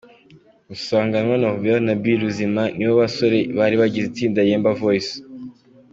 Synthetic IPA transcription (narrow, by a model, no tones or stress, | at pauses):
usaːŋɡanwanahuβanabiɾuzimaniβoβaso̞ɾe̞βaɾiβaɟizitiːndajeːmbavois